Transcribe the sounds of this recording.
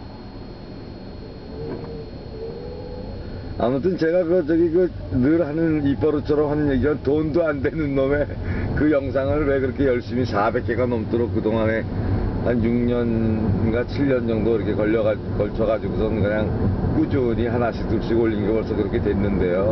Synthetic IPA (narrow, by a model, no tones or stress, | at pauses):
a̰mut͈ʰɯnt͡ɕe̞ɡakɯʌd͡ʑʌɡikɯnɯɾhanɯnip͈ʌɾot͡ɕʰʌɾʌmɦhanɯnjeɡiwantondoandwe̞nɯnːʌme̞kɯjʌŋs̬ʰaŋɯɭwe̞kɯɾʌkʰe̞jʌɭɕ͈imisabe̞k̚k͈e̞ɡanʌmt͈oɾok͈̚ːɯdoŋane̞ | hanjuŋɲʌnɡwat͡ɕʰiʎːʌnd͡ʑʌŋdoiɾʌkʰekʌʎːʌ | kʌɭt͡ɕʰʌɣad͡ʑiɡosʰʌnɯnkɯɲaŋk͈ud͡ʑuɲiɦanaɕʰit͈uɕ͈iɡoʎːinɡepʌɭs͈ʰʌkɯɾʌkʰe̞twe̞nːɯnde̞jo